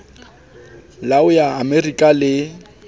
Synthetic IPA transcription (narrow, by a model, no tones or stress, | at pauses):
laʊjaːmerikʼalɪ